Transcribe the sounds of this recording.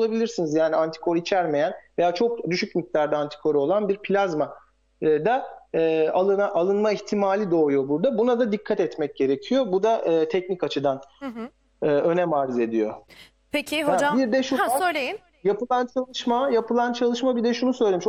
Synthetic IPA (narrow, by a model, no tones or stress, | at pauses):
olˠabilʲiɾsinizjaːniant̪ʰi̥kʰo̞ɾit͡ʃʰæɾme̞jænve̞jaːt͡ʃʰo̞kd̪yʃycmic̚t̪ʰaɾd̪aːnt̪ʰi̥kʰo̞ɾo̞lˠanbiɾpʰlʲazma | d̪aɯːalˠɯnaʔalˠɯnmaiçt̪ʰimaːlʲid̪o̞ːjo̞buɾd̪abunad̪ad̪ikʰːat̪ɛt̪mɛc̚ɟ̥e̞ɾe̞cʰijo̞bud̪aʔɯːt̪ʰɛcnikat͡ʃʰɯd̪an | ɯːø̞nɛmaːɾize̞d̪ijo̞̰ | pʰecʰɪɦaabiɾd̪ɛʃuøjlʲeji | japɯlˠant͡ʃʰalˠɯʃmajapʰɯlˠant͡ʃʰalˠɯʃmabid̪ɛʃunusø̞jlʲemiʃ